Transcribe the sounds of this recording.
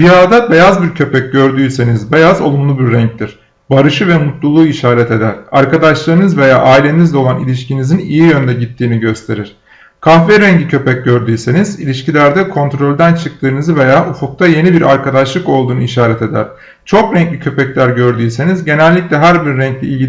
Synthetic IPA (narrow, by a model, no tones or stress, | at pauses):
d̪yjaːd̪abe̞jazbiɾcʰø̞pɛc̚ɟø̞ɾd̪yːse̞nizbe̞jazo̞̰lˠumlˠubiɾːɛɲc̚t̪ʰiɾ̥ | baɾɯʃɯvɛmut̪lˠulˠuːiʃaːɾɛt̪e̞d̪æɾ̥a̰ɾkad̪aʃlˠaɾɯnɯzve̞jaːʔaːilʲe̞inizd̪ɛo̞lˠanḭlʲiʃcinizinijijø̞nd̪ɛɟit̪ʰːiːniɟø̞st̪ʰe̞ɾiɾ̥ | kʰahvɛɾɛɲcicʰø̞pɛc̚ɟø̞ɾd̪yːsenizilʲiʃcilʲæɾd̪ɛkʰo̞nt̪ɾo̞lʲd̪ænt͡ʃʰɯk̚t̪ʰɯːnɯzɯve̞jaːʔufuk̚t̪ʰaje̞nibiɾʔaɾkad̪aʃlˠɯko̞lˠd̪uːnuiʃaːɾɛt̪e̞d̪æ̰ɾ̥ | t͡ʃʰo̞kɾɛɲcʲicʰø̞pɛclʲæɾɟø̞ɾd̪yːse̞nizɟe̞nælʲːicʲlʲɛɦæɾbiɾːɛɲclʲɛilʲi